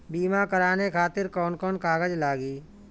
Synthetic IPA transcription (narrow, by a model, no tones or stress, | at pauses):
biːmakəɾaːnekʰaːt̪ɪɾkɔːnkɔːnkaːɡəd͡ʒlaːɡiː